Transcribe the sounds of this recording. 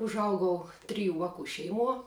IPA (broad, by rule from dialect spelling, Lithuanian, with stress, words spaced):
ʊʒˈɐʊɡɐʊ ˈtʲrʲɪjʊ ˈʋɑːkʊ ˈʃʲɛɪˌmuɔ